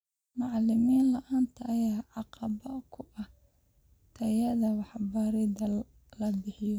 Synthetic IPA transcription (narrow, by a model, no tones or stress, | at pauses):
mɑʕlɪmiːnlɐʔaːnt̪ʰɐʔːjaːʕɑqɑβɐkʰʊʔɐh | t̪ʰɐjɐðɐwɑħbaɾɪd̪ɐ | lɐbɪħɪjɔ